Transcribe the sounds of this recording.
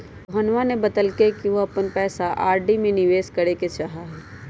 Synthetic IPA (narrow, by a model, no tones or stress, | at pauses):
bʱɐnʋanebɐd̪əlkekiʋoɐpənpɛːsaʔaːɾɖimẽnɪʋeːskɐɾeket͡ʃaɦaɦɛː